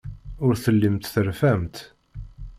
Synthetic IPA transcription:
ʊɾθəlːəmt̪θəɾfæmt̪

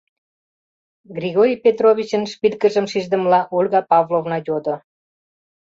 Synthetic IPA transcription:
ɡriɣoɾʲipet̪roβʲit͡ɕənʃpilkəʒə̆mʃiʒd̪ə̆mlɑʔulʲɣɑpɑvlovnɑjod̪ŏ

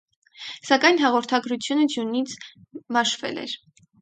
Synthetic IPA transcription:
sɑkɑjn̪ɦɑʁɔɾt̪ʰɑɡɾut͡sʰjunəd͡ʒjunit͡sʰmɑʃvɛ̰lɛ̰ɾ

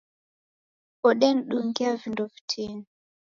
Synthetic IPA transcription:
ɔɗɛn̩ɗuŋɡiavindɔvi̥tʰini

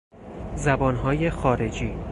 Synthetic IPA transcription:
zæbɒːnɦɒːje̞xɒːɾe̞d͡ʒiː

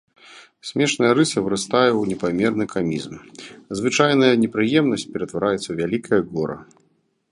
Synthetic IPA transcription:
sʲmʲɛʂnɐjɐɾɨsɐvɨɾɨst̪ajɛwnʲɛpamʲɛrnɨkʰamʲḭzmzvɨt͡ʂajn̪ɐjɐnʲɛpɾɨjɛmnɐsʲt͡sʲpʲɛɾɐt̪vaɾajɛt̪sɐvʲalʲikɐjɐɡɔɾɐ̰

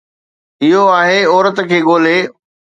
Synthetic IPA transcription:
ɪɦoaːɦeɔːɾət̪̆kʰeːɠoːl̤e

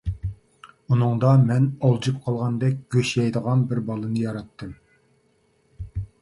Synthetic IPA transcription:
unɨŋd̪ɑmɛnɑlˠd͡ʒɨp̚qʰɑlˠʁɑnd̪ɛk̚ʲɡ̥ʲøʃɛjd̪əʁɑnbɪɾbɑlˠɨnɨjɑɾɑt̪ːɨm

